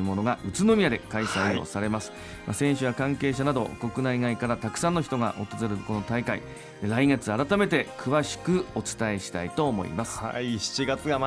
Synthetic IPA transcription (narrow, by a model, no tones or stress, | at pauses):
ɯmo̞no̞ɡaʔɯ̟t͡sɨno̞mʲiad̪ekaisaio̞̰saɾe̞masɨ̥ | masẽ̞ɰ̃ɕɨβakãŋke̞ːɕ̬anad̪o̞̰ko̞kɯ̟naiɡaikaɾat̪akɯ̟̥sãnːo̞ç̬i̥t̪o̞ɡa̰ʔo̞t̪ezɨɾɯko̞no̞t̪aikaḭ | ɾaiŋe̞t͡sɨaɾat̪ame̞t̪e̞kɯ̟βaɕi̥kɯ̟o̞t͡sɨ̥t̪ae̞ɕi̥t̪ait̪o̞ːmo̞̰ḭmasɨ̥a̰iɕi̥t͡ɕiɡat͡sɨɡa